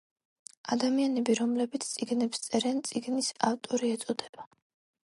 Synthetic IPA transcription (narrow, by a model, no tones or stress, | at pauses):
ad̪amianɛbiɾɔmlɛbit̪sʰt̪sʼiɡnɛpst̪sʼɛɾɛnt̪sʼiɡnisaft̪ʼɔɾiɛt̪sʼɔd̪ɛba